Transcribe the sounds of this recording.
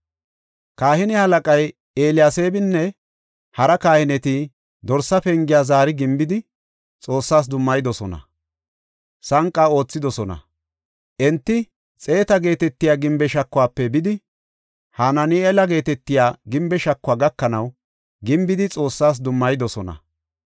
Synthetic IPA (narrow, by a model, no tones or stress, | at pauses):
kaːhɪnɛhɐlɐkʼɐj | eːlɪjaːse̞ːbɪnːɛ | hɐɾɐkaːhɪnɛt̪ɪ | d̪ɔɾsːɐpɛŋɡɪjaːzaːɾɪɡɪmbɪd̪ɪ | t͡sʼo̞ːsːaːs̬d̪ʊmːɐjɪd̪ɔsɔnɐ̰ | sɐŋkʼːaːo̞ːt͡sːɪd̪ɔsɔnɐ̰ | ʔɛnt̪ːɪ | t͡sʼe̞ːt̪ɐɡe̞ːt̪ɛt̪ːɪjaːɡɪmbɛʃɐkːʊwaːpːɛbɪd̪ɪ | haːnɐniːɛlɐɡe̞ːt̪ɛt̪ːɪjaːɡɪmbɛʃɐkːʊwaːɡɐkːɐnɐw | ɡɪmbɪd̪ɪt͡sʼo̞ːsːaːs̬d̪ʊmːɐjd̪ɔsɔnɐ̰